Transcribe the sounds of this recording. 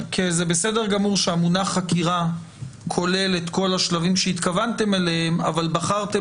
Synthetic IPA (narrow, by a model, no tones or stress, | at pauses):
kʰezebese̞de̞ʁɡamuʁʃeamunaχakiʁa | kʰo̞le̞le̞t̪ko̞laʃlavimʃeit̪kavant̪e̞melehema̰valbaχaʁt̪e